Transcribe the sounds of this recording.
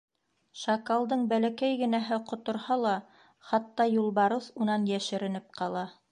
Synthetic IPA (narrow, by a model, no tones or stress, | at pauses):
ʃɑkalˠd̪ɤɴbælækæjɡɘ̆næɦɘqŏt̪ŏɾhɑlˠɑ | χɑt̪ːɑjulˠbɑɾɤθunɑnjæʃɘ̆ɾɘ̆nɘp̚qɑlˠɑ